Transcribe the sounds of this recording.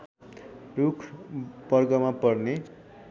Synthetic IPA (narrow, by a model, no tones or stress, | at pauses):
rukʰbʌrɡʌmapʌrne